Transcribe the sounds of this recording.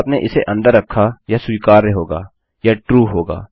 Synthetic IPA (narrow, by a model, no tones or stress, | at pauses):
pneʔɪseʔɐ̃nd̪əɾːɐkʰːajasuiːkaːɾːeɦoːɡa̰ː | jaʈɾuːɦoːɡa̰ː